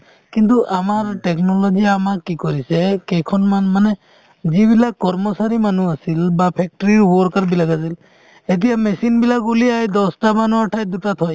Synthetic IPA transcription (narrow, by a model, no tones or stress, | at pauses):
kint̪uʔamaɹʈɛknɔlɔziamakːikɔɹisɛkɛjkʰɔnmanmanɛ | zibilakːɔɹmɔsaɾimanuasilbapʰɛk̚ʈɔɹiɹwɔɹkaɹbilakas̬il | et̬ijamɛsinbilak̚buliajd̪ɔsʈamanuaʈʰajd̪utat̪ʰɔj